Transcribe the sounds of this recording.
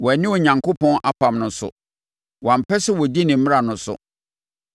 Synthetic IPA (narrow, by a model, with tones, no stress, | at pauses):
wɔ˨æ˨nɪ̃˦o˨ɲã˨ŋkʰo˦pʰɔ̃˦nʔa˦pʰã˨mnʊ̃˨sʊ̰˨ | wã˨m̩˨pɛ˦sɛ˦wɔ˨d͡ʑi˦nɪ̃˨m̩˦m̃˦a˨nʊ̃˨sʊ̰˨